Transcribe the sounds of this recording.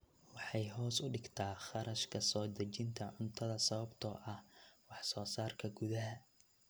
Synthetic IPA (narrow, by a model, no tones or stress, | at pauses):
wɑħɑjɦɔːsʊɖɪɡt̪ʰaːχɑɾɐʃkʰɐsɔːd̪ɐt͡ʃɪnt̪ʰɐʕʊnt̪ʰɐðɐsɐβɐbt̪ʰɔːʔɐhwɑħsɔːsaːrkʰɐɡʊðɐɦɐ